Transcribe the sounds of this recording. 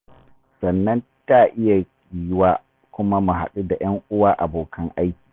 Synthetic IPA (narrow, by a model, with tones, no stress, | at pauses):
sɐ˨nːɐ˦nta˦˨ʔɪ˦ja˨kʲ | iː˨waː˦ | kʷʊ˦ma˦mu˨ɦa̰˨ɗu˦da˨j̰ɐ˦ŋʔʊ˦waː˦ʔa˨boː˨kʰɐ˦ŋʔa˦jkʲi̥ː˨